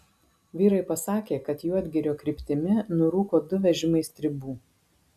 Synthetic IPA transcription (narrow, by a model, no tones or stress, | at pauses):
ʋʲiːɾɐɪpɐsɑːkʲeːkɐt̪juːɐd̪ʲɡʲɪɾʲoːkɾʲɪpʲt̪ʲɪmʲɪnʊɾuːkoːd̪ʊʋʲɛʒʲɪmɐɪst̪ʲɾʲɪbuː